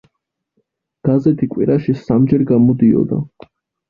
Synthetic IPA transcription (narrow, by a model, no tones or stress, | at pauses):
ɡ̥azɛt̪ʰikʼwḭɾaʃisamd͡ʒɛɾɡamɔd̪iɔ̰d̪a̰